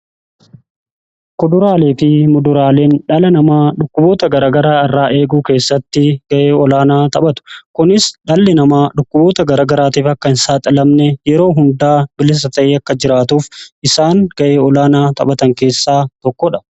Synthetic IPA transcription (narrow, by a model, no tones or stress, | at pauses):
kʊd̪ʊɾaːleːfɪmʊd̪ʊɾaːle̞ːnᶑɐlɐnɐmaːᶑʊkːʊbo̞ːt̪ɐɡɐɾaːɡɐɾaːɐrːaːʔe̞ːɡuːke̞ːsːɐt̪ːɪɡ̥ɐʔeːɔlaːnaːt̪ɐɓɐt̪ʊ̥kʊnɪsᶑɐlːɛnɐmaːᶑʊkːʊbo̞ːt̪ɐɡɐɾaːɡɐɾaːt̪iːfɐkːɐnsaːt̪ʼɐlɐmnɛjɛɾo̞ːɦʊnd̪aːbɪlɪs̬ɐt̪ɐʔeːɐkːɐd͡ʒɪɾaːt̪uːfʔɪsaːŋɡ̥ɐʔeːɔlaːnaːt̪ɐ̰ɓɐt̪ɐŋke̞ːsːaːt̪ɔkːɔᶑɐ̥